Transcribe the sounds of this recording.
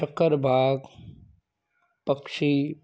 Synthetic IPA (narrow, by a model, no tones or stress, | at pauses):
ɐkəɾbʱaːɡ | pəkʃi